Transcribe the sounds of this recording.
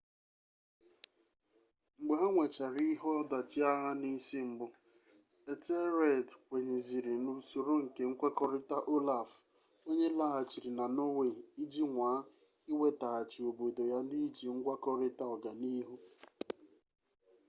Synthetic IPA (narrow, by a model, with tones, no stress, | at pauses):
ŋ͡m̩˨ɡ͡be˨ɦa˦ŋʷe˨t͡ʃa˨ɾi˦ɦɔ˦da˨t͡ʃi˦a˦ɦa˦ni˦si˦ŋ͡m̩˨ɡ͡bʊ˦ | e˨te˦ɾe˦˨dwʷe˨ɲe˨zi˨ɾi˨nu˨so˨ɾo˦ŋ̩˨ke˨ŋ̩˦kʷe˦kɔ˦ɾɪ˦ta˦ʔo˦la˨f | o˦ɲe˦la˦a˨t͡ʃi˨ɾi˨na˨no˦we˨i˦d͡ʒi˦ŋʷaː˨˦ | i˦we˦ta˨a˨t͡ʃi˨o˨bo˨do˨ja˦n̩˦di˦i˦d͡ʒi˨ŋ̩˦ɡʷa˦kɔ˦ɾɪ˦ta˦ɔ˨ɡa˨ni˦ɦu˦